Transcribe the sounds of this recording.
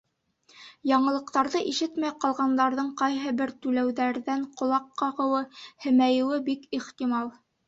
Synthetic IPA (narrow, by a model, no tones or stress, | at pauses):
jɑɴɤ̆lˠɤ̆qt̪ɑɾðɤʔiʃɘt̪mæjqɑlˠʁɑnd̪ɑɾðɤɴqɑjɦɤbɘɾt̪ʉlæwðæɾðæɴqŏlˠɑqːɑʁɤ̆wɤhɘ̆mæjɘ̆wɘbikiχt̪imɑlˠ